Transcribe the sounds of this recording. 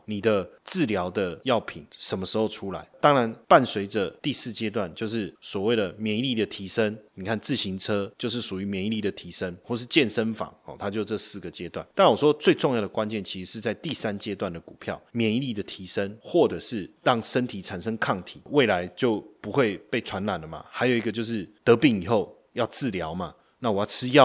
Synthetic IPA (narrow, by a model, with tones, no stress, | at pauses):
ni˨˩d̪ə˦t͡sɹ̩˥˨ljɑ˧˥ʊd̪ə˧jɑ˥˩ʊpʰḭ˨˩nʂə˨˩nmə˦˩ʂɻ̩˧˥xo˥˧ʊʈ͡ʂʰu˥la̰˧˦ɪt̪ɑ˥ŋɻa˧˦npa˥˨˩nswe˧˥ɪd͡zə˨t̪i˥˧sɹ̩˥˩t͡ɕjɛ˥t̪̬wa˥˨nt͡ɕjo˥˧ʊʂɻ̩˥˩swɔ˨˩we˥˩ɪd̪ə˩mjɛ˨˧˦ŋi˦li˥˩d̪ə˨t̪ʰi˧˥ʂə˦ŋni˨˩kʰa˥˧nt͡sɹ̩˥˩ɕi˧˥ŋt͡sʰɤ˥t͡ɕjo˥˧ʊʂ̬ɻ̩˥˩ʂu˨˩y˧˦mjɛ˧˥ni˧˥li˥˩d̪ə˩t̪ʰi˧˥ʂə˦ŋxwɔ˥˩ʂɻ̩˥˧t͡ɕjɛ˥˨nʂə˦nfɑ̰˨˩ŋɔ̰˨t̪ʰa˥t͡ɕjo˥˧ʊt͡sə˥˧sɹ̩˥˩ɡə˩t͡ɕjɛ˥˦t̪wa̰˥˩nt̪a˥˩nwɔ˨˩ʂwɔ˦˥t͡swe˥˧ɪʈ͡ʂo˥˧ŋjɑ˥˩d̪ə˩kwa˦nt͡ɕjɛ˥˨˩nt͡ɕʰi˧˥ʂ̩˧˥ʂɻ̩˥˧t͡sa˥˧ɪt̪i˥˩sa˦nt͡ɕjɛ˥t̪wa˥˩nd̪ə˩ku˨˩pʰjɑ̰˥˩ʊmjɛ˨˦i˧˦li˥˩d̪ə˩t̪ʰi˧˥ʂə˦nxwɔ˥˨ʈ͡ʂɤ˨˩ʂɻ̩˥˩t̪ɑ˦ŋʂə˦˥nt̪ʰi˨˩ʈ͡ʂʰa˨˩nʂə˥ŋkʰɑ˥˩ŋt̪ʰḭ˨˩˦we˥˩ɪla˧˦ɪt͡ɕjo˥˩ʊpu˧˦xwe˥˧ɪpe˥˩ɪʈ͡ʂʰwa˧˥nla˨˩nlə˩ma̰˨˩xa˧˥ɪjo˨˩i˧˥ɡə˧t͡ɕjo˥˧ʊʂ̬ɻ̩˥˩t̪ɤ˧˦pi˥˩ŋi˨˩xo˥˩ʊ | jɑ˥˧ʊt͡sɹ̩˥˩ljɑ˧˥ʊma˨ | na˥˩wɔ˨˩jɑ˥˩ʈ͡ʂʰɻ̩˥jɑ˥˨